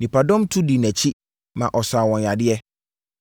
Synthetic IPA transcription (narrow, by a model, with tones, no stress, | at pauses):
nĩ˨pa˨dɔ̃˦mtʰʊ˦di˨næ̃˨t͡ɕʰi˦ | mã˨ʔɔ˨saː˨wɔ̃˨n˨a˨dɪ˦ɛ˦